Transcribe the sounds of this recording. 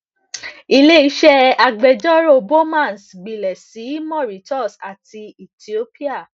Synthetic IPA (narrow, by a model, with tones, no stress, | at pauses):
i˧le˦˨i˦ʃɛ˦a˨ɡ͡bɛ˨d͡ʒɔ˦ɾo˦˨bo˦mã˦˨nsɡ͡bi˨lɛ˨si˨˦mɔ̃˦˨ɾi˨˦tɔ˦˨sa˨ti˧i˨ti˨o˦pi˦a˦˨